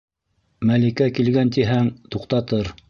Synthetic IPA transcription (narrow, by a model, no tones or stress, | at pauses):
mælikækilɡænt̪iɦæŋt̪uqt̪ɑt̪ɤɾ